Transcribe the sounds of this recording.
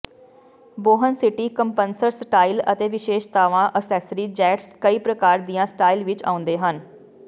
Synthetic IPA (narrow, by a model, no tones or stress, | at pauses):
boːɦənsɪʈiːkəmpənsəɾsʈaːiːlə̰t̪eːʋɪʃeːʃt̪aːʋãːʔəsɛːsɾiːd͡ʒɛːʈskəiːpɾəkaːɾd̪ijãːsʈaːiːlʋɪt͡ʃa̰ːʊ̃nd̪eːɦən